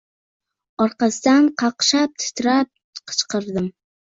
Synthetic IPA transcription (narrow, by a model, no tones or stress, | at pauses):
ɒɾqɑsɪd̪anqʰɑqʃap̚t̪ʰɪ̥t̪ʰɾap̚ | qʰɨ̥t͡ʃqɨɾd̪ɪm